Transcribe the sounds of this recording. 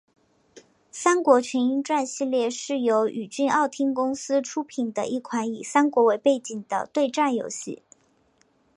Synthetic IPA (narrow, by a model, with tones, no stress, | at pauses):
sa˥nkwɔ˧˥t͡ɕʰɥɛ˧˥ni˥nʈ͡ʂwa˥˧nɕi˥˧ljɛ˥˧ʂɻ̩˥˩jo˧˥ʊʔy˨˩t͡ɕy˥˧nɑ˥˩ʊt̪ʰi˥ŋkʊ˥ŋsɹ̩˥ʈ͡ʂʰu˥pʰi˨˩nd̪ə̰˦ʔi˥˩kʰwa˧˥ni˨˩sa˥nkwɔ˧˥we˧˥ɪpe˥˩ɪt͡ɕi˨˩ŋd̪ə̰˦t̪we˥˧ɪʈ͡ʂa˥˩njo˧˥ʊɕḭ˥˩